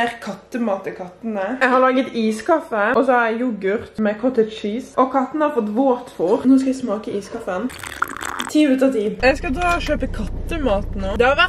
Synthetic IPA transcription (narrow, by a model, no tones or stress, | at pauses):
ɾkʰɑt̪ːəmɑːt̪ɪkʰɑt̪ːənəjɛɡhɑɾlɑːɡət̪iːskʰɑfəʔɔsɔhɑɾjɛjʊɡʉʁt̪mɛkʰɔt̪ːət̪ʃiːsʔɔkʰɑt̪ːənəhɑɾfɔt̪ːʋoːt̪fuːʁnoːskɑʋɪsmɑːkəʔiːskʰɑfən | t̪ʰiːʉt̪əʁt̪iːɛɡskɑd̪ɾɑːʃøːpəkʰɑt̪ːəmɑːt̪nuːd̪ɛhɑʋæ